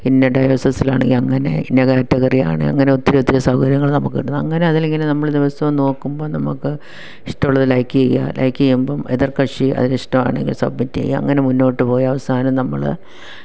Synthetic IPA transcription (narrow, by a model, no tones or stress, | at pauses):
pinːeɖɐjoːsɐsːila̰ːɳeŋɡilɐŋːɐne̞̰inːɐkaːtːɐɣɐrija̰ːɳɨ̰ɐ̰ŋːɐne̞ot̪ːiɾeot̪ːiɾesɐhɐkɐɾjɐŋːɐɭnɐmukːḭɽunːuɐŋːɐne̞ɐðile̞ŋɡilnɐmːɐɭd̪iʋɐsɐʋno̞ːkːumbo̞ːnɐmukːɨ | iʂʈɐuɭːɐðɨlɐjkːijɐja̰lʔɐ̰jkːijɐjumboːmeðirkɐʂiɐ̰ðiniʂʈɐma̰ːɳe̞̰ŋɡḭlsɐ̰b̚mitːiɐ̰jiɐ̰ŋːɐne̞munːo̞ːʈːɨpo̞ːjɐʋɐsaːnɐmnɐmːɐ̰ɭ̰